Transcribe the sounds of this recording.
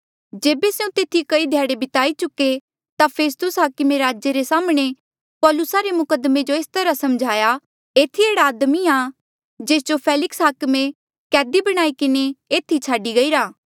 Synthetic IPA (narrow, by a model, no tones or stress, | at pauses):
d͡ʒeːbeseũt̪eːt̪ʰikɐid̪ʱjaːɽebɪt̪aːit͡ʃʊkːe | t̪apʰeːs̬t̪ʊsɦaːkɪmeɾaːd͡ʒjeɾesaːmɽ̃e | pɔːlʊsaɾemʊkəd̪mẽd͡ʒoeːst̪ɐɾasɐmd͡ʒʱaːja | eːt̪ʰieːɽaːd̪mia | d͡ʒeːs̬d͡ʒopʰɛːlɪksɦaːkmẽ | kɛːd̪ibɐɽ̃aːikɪneeːt̪ʰit͡ʃʰaːɖiɡɐiːɾaː